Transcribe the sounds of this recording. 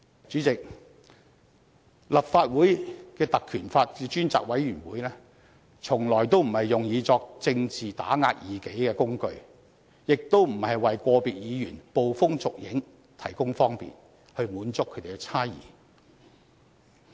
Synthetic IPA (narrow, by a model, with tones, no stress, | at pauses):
t͡ʃyː˨˥t͡sɪ˨k̚ | lɐ˨p̚faː˧t̚wuː˨˥jkɛː˧t̪ɐ˨kʰyː˨˩nfaː˧t̚kɛ˧t͡ʃyː˥nt͡sa̰ː˨k̚wɐ˨˥jɥyː˨˩nwuː˨˥jlɛː˥ | t͡sʰʊ˨˩ŋlɔː˨˩jt̪o˥wm̩˨˩hɐ˨jːʊ˨ŋjiː˨˧t͡sɔː˧k̚t͡sɪ˧ŋt͡siː˨t̪a̰ː˨˥ŋaː˧t̚jiː˨˩ke˨˥jkɛː˧kʊ˥ŋkɵ˧ɥ | jɪ˨k̚t̪o˥wm̩˨˩hɐ˨jwɐ˨jkʷɔː˧piː˨t̚jiː˨˧jyː˨˩npo˨wfʊ˥ŋt͡sʊ˨k̚jɪ˨˥ŋ | t̪ʰɐ˨˩jkʊ˥ŋfɔː˥ŋpḭː˨˩n | hɵ˧ɥmuː˨˥nt͡sʊ˥k̚ʰɵ˨˧jt̪e˨˩kɛ˧t͡sʰaː˥jḭː˨˩